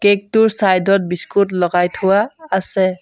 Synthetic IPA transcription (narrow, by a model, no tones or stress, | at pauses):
kek̚tʊɹsajdʱɔt̚biskutlɔɡajtʰʊwaːsɛ